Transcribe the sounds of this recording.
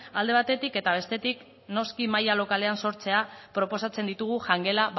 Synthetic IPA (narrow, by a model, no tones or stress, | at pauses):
ald̪e̞βat̪e̞t̪ike̞t̪aβ̞e̞st̪e̞t̪ik | no̞skimajalo̞kale̞anso̞ɾt͡se̞apɾo̞po̞sat͡se̞nd̪it̪uɣ̞uʝaŋɡe̞la